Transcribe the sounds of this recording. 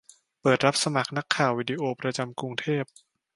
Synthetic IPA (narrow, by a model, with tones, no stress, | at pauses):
pɤː˨˩t̪̚ɾa˦˥p̚sa˧ma˨˩k̚na˦˥kʰːaː˨˩wːiː˧di˧ʔoː˧pɾa˧t͡ɕa˧mkɾu˧ŋt̪ʰeː˥˩p̚